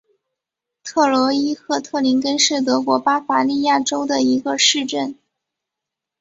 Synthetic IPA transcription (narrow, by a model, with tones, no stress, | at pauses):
t̪ʰɤ˥˩lwɔ˧˥i˥xʰɤ˧˥t̪ʰɤ˥˩li˧˥nkə˥nʂɻ̩˥˩t̪̬ɤ˧˥kwɔ˧˥pa˥fa˧˥li˥˧ja˥˩ʈ͡ʂo˥ʊd̪ə˨i˧˥ɡə˧ʂɻ̩˥˧ʈ͡ʂə˥˩n